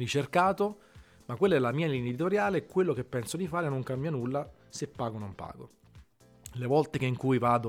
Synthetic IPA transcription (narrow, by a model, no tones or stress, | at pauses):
rit͡ʃerkaːt̪o | makwelːaɛlːamiːalend̪it̪oɾjaːlekwelːok̟epːɛnsod̪ifaːɾenoŋkambjanulːa | sepːaːɡonompa̰ːɡo̰ | levɔlt̪ekeŋkujvaːd̪o